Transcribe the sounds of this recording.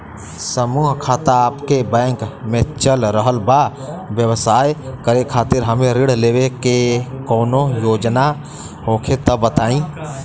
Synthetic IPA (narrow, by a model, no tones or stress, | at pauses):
səmuːɦkʰaːt̪aaːpkebɛ̃ːŋkmẽt͡ʃəlɾəɦəlba | ʋjəwsaːjkəɾekʰaːt̪ɪɾɦəmẽɾɪɽ̤leːwekekɔːnõjoːd͡ʒna | ɦoːkʰet̪əbət̪aːĩː